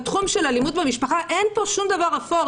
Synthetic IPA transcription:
t̪χumʃe̞lalimud̪bemiʃpaχaʔe̞npo̞ʃumd̪avaʁafo

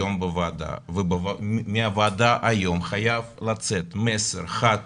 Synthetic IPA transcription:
ombəvad̪a̰vbvamiavad̪aʔajo̞mχajavlat͡set̪meseɾχat̪

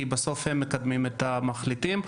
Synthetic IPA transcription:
ibaso̞fhemːekad̪mimet̪amaχlit̪im

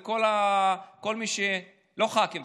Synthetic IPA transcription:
kolako̞lmiʃe | lo̞χakim

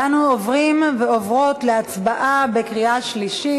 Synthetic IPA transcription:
anuovʁimveo̞vʁo̞tleat͡sbaʔabekʁiaʃliʃi

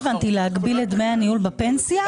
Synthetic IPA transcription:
vant̪ilehaɡbiled̪meaniulbape̞nsija

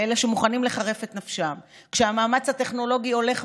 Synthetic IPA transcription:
eleʃemuχanimle̞χaʁe̞fet̪nafʃam | kʃeamaːmat͡shate̞χno̞lo̞ɡio̞le̞χ

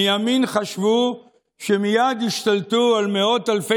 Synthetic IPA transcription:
jaminχaʃvu | ʃemijad̪iʃt̪alt̪ualmeo̞t̪alfe

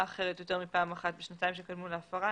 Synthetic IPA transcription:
χe̞ʁ̞etjote̞ʁmipaːmaχat̚beʃnataimʃekadmuleafaʁa

